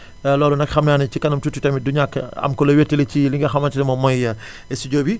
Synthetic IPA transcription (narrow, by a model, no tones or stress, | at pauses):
lɔːlunɐkxɐmnaːnɐcikɐnɐmtutːutɐmiduɲakːɐ̰mkɔlɐwetːileciliŋɡɐxɐmɐtilɛmɔmɔjɐ | ɛsiɟoːbi